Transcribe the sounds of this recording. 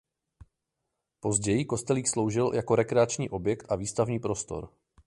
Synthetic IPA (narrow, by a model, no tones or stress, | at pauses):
po̞zɟɛjɪko̞st̪ɛliːxslo̞wʒɪljako̞ɾɛkɾɛat͡ʃɲḭːʔo̞bjɛkt̪ʔaviːst̪avɲiːpɾo̞st̪o̞̰ɾ